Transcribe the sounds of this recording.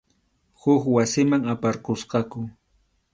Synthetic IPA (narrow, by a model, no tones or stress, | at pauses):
hʊkwasɪmaŋapaɾqosqɑkʊ